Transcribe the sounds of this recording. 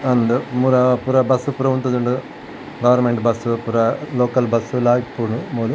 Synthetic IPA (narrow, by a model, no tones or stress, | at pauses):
ɐnd̪umuɾɐpuɾɐbɐsupuɾɐʋunt̪ɐd̪uɳɖu | ɡɐʋɐɾnmeɳʈbɐsupuɾɐloːkɐlbɐsːulaːjʈ̚puɾnumoːlu